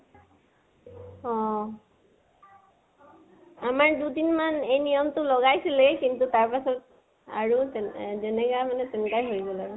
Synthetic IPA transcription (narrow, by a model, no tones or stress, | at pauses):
ɔ | amaɹdudinmanejnijɔmtʊlɔɡajsilɛkintutaɹpasɔt̚ | a̰ɹuzɛnɛɡamanɛtɛnkajɦoɹiɡɔlaɹʊ